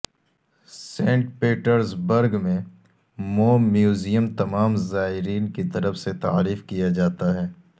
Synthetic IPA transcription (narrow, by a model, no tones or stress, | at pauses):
sẽːɳʈpeːʈəɾzbəɾɡmẽ | moːmjuːzijəmt̪ɐmaːmzaːɦɪɾiːnkit̪ɐɾəfset̪a̰ːɾiːfkijad͡ʒaːt̪aɦɛː